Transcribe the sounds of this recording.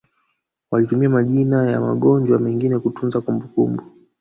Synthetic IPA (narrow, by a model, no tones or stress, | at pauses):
walitumiamaʄinaja̰ma̰ɠɔɲd͡ʒwamɛŋɡinɛkutunzakumbukumbu